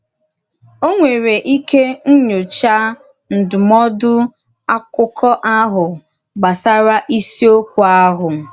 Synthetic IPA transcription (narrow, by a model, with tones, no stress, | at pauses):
o˦ŋʷe˨ɾe˨ʔi˦ke˦n̩˦ɲo˨t͡ʃa˦ | n̩˨dʊ˨mɔ˦dʊ˦ | a˦kʊ˦kʰɔ˦ʔa˦ɦʊ˨ | ɡ͡ba˨sa˦ɾa˦ʔi˦si˦o˦kʷu˨a˦ɦʊ˨